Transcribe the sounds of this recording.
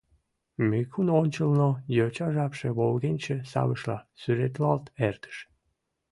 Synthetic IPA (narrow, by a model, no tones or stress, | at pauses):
mekunonʲt͡ɕəlˠnojøt͡ɕɑʒɑpʃeβolɣenʲt͡ɕesɑ̰βəʃlɑ̰syɾet̪lɑlˠt̪ɛrt̪ə̥ʃ